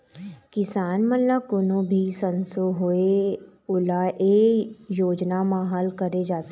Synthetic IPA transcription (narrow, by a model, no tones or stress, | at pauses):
kɪsaːnmənlakʊnõbʱisənsoɦoeʊlaʔejoːd͡ʒnamaːɦalkəɾed͡ʒaːt̪e